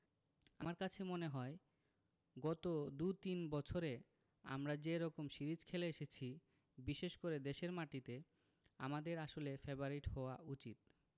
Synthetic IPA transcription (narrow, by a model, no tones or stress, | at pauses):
amaɾkat͡ɕʰemoneɦɔe | ɡɔt̪od̪ut̪inbɔt͡ɕʰoɾe | a̰mɾad͡ʑeɾɔkomʃiɾid͡ʑkʰeleeʃet͡ɕʰi | biʃeʃkoɾed̪eʃeɾmaʈit̪e | a̰mad̪eɾaʃolefeboɾiʈɦɔoaʔut͡ɕit̪̚